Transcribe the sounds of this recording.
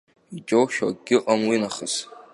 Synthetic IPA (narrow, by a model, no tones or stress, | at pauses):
id͡ʒʼowʃᶣa̰ɡʲɪqʼamwinaχəs